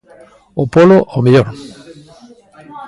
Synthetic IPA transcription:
opoloʔomeʎoɾ

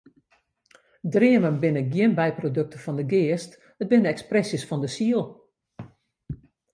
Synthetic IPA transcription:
drɪəmənbɪnəɡjɪənbɛjprodøk̚təfɔndəɡɪːəst | hət̚bɪnəɛksprɛsjəsfɔndəsiəlˠ

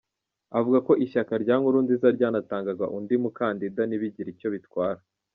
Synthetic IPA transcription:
avuɡako̞ʔiʃakaɾɟaːŋuɾuːndizaɾɟaːnataːŋɡaɡa̰ʔundimukaːndidaniβiɟiɾico̞βitkwaːɾa

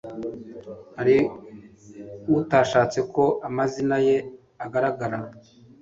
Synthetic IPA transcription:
haɾi | utaʃaːt͡se̞ko̞ʔamazinaje̞ | aɡaɾaɡaɾa

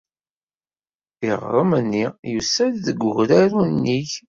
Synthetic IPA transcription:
iʁɾˤəmənːijusæððəɡʷʊʝɾæɾunːiç

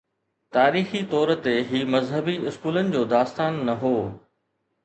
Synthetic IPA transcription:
t̪aːɾiːxit̪ɔːɾt̪eɦiːmɐzɦəbiɪskuːlənɪ̆d͡ʑoːd̪aːst̪aːnːɐɦoː

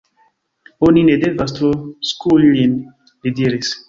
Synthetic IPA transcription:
oninedevas̬t̪oskʰullin | lidiɾis

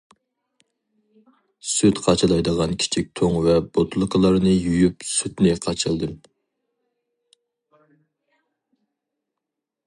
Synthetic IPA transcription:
syt̪qʰɑt͡ʃʰɑlˠɑjd̪əʁɑnkʲʰi̥t͡ʃʰik̚ʲt̪ʰoŋvɛbot̪ʰulˠɨqʰəlˠɑɾnɨjujypsyt̪nɪqʰɑt͡ʃʰɨlˠd̪ɨm

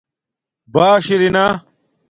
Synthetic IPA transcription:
baːɕiɾina

